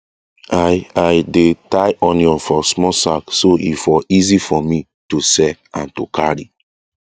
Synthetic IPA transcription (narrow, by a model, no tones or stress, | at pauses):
ajajdetajʔɔ̃njɔ̃nfɔsmɔsaksoḭfɔizifɔmi | tusɛãntukaɹi